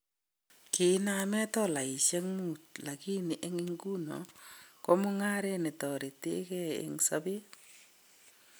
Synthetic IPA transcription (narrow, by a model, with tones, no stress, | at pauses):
kɪ˨˦na˦mɛ˦tɔ˦la˨i˨ʃɛ˦ŋmu˦˨tla˨ki˦nɪ˨ʔe˦ŋi˦ŋɡu˦no̰˨ko˦mʊ˦ŋa˦ɾe˦nɪ˨tɔ˨ɾi˨tḛ˦kɛ˦ɪ̰˦ŋsa˦bɪ˦